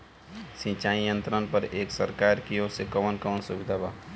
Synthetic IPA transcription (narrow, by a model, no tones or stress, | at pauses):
sĩt͡ʃaːijə̃nt̪ɾənpəɾeːksəɾkaːɾkijosekəʋənkəʋənsʊbɪd̪ʱabaː